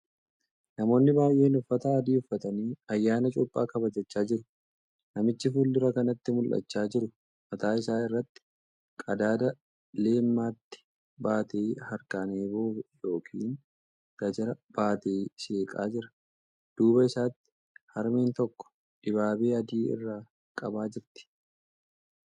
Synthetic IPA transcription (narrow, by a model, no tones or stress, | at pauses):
nɐmo̞ːnːɪbaːjʔe̞ːnʊfːɐt̪aːɐd̪iːʊfːɐt̪ɐniːɐjːaːnɐt͡ʃʼʊpʼːaːkɐbɐd͡ʒɐt͡ʃːaːd͡ʒɪɾʊ | nɐmɪt͡ʃːɪfuːld̪ʊɾɐkɐnɐt̪ːɪmʊlʔɐ̰t͡ʃːaːd͡ʒɪɾʊ | mɐt̪aːɪsaːɪrːɐt̪ːɪ̥ | kʼɐd̪aːd̪ɐ | le̞ːmːaːt̪ːɪ̥ | baːt̪eːhɐɾkɐneːbo̞ːbɛjo̞ːkʰḭːn | ɡ̥ɐd͡ʒɐɾɐb̥aːt̪eːʃe̞ːkʼa̰ːd͡ʒɪɾɐ̥ | d̪̥uːbɐɪsaːt̪ːɪ̥ | hɐɾmeːnt̪ɔkːɔ̥ | ᶑɪbaːbeːɐd̪iːɪ̰rːaː | kʼɐbaːd͡ʒɪɾt̪ɪ̥